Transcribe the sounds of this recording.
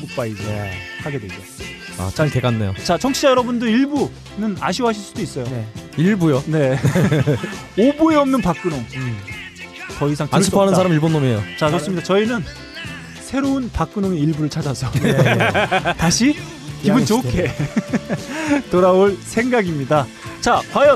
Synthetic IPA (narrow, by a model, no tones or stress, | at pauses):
ɡuk̚p͈aid͡ʑehaɡe̞dwed͡ʑo | a̰t͡ɕateɡanːejo̰t͡ɕat͡ɕʰʌŋt͡ɕʰid͡ʑajʌɾʌbundɯɾiɭbu | nɯnaɕʰiɦaɕʰiɭs͈udois͈ʌjoeiɭbujone̞ | obue̞ʌmnɯnpak͈ɯnoŋ | kʌisʰaŋtaisioanɯnsʰaɾamiɭbonːomejot͡ɕasʰosɯmɲidat͡ɕʌinɯn | sʰe̞ɾounpak͈ɯnoŋe̞iɭbuɾɯɭt͡ɕʰad͡ʑasʰʌne | taɕʰi | kibunt͡ɕokʰe | toɾaoɭsʰe̞ŋɡaɡimɲida | t͡ɕakwajʌ